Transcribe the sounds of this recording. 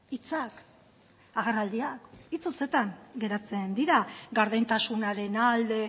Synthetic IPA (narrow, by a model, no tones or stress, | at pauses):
it͡sak | aɣerald̪iakit͡suse̞t̪aŋɡe̞ɾat͡se̞nd̪iɾaɡaɾðejnt̪asunaɾe̞nald̪e̞